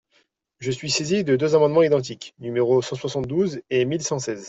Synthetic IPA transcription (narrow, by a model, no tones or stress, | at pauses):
ʒəsɥisezid̪əd̪øzamɑ̃d̪mɑ̃id̪ɑ̃t̪̬iknymeʁosɑ̃swasɑ̃t̪̚d̪uzemilsɑ̃sɛz